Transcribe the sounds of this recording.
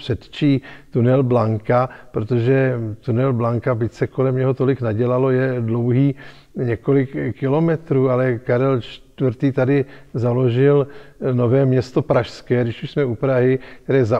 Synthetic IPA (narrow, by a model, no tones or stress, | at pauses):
pr̥ɛt̪t͡ʃiːt̪unɛlblaŋkapɾot̪o̞ʒɛt̪unɛlblaŋkabɪct͡sɛko̞lɛmɲɛɦo̞t̪o̞lɪknaɟɛlalo̞jɛdlo̞wɦiː | ɲɛko̞lɪkkɪlo̞mɛt̪ɾuːalɛkaɾɛlt͡ʃt̪vrɾt̪iːt̪adɪzalo̞ʒɪlno̞vɛːmɲɛst̪o̞pɾaʃskɛːdɪʃuʃsmɛupɾaɦɪk̚t̪ɛɾɛːza